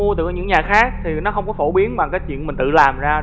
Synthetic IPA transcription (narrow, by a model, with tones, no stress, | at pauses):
u˧ət̪ɨ̰˧˨˦ɲɨ̰˧˥ŋɲaː˨˩xaː˦˥k̚t̪ʰi˨˩nɔ˨˦xə˧wŋ͡mkɔ˨˦fo˧˩ɓi˨˦ənɓa˨˩ŋkaː˨˦jt͡ɕwḭ˧˨ənmï˨˩ŋ̟t̪ɨ̰˧˨laː˨˩mzaː˧